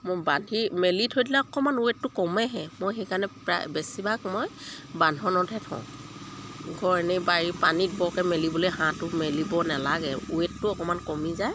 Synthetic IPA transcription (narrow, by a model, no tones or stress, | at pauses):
mojbanʱimelitʰojdilaɔkɔmanuetːʊkɔmɛɦɛmojxɛkanɛpa̰bɛsibakmojbandʱɔnɔtʰɛtʰɔ̰̃ | ɡʱɔɹnibaɹipanit̚bɔkɛmelibolojɦãtʊmelibɔnalaɡɛ̰ṵetːʊɔkɔmankɔmizaj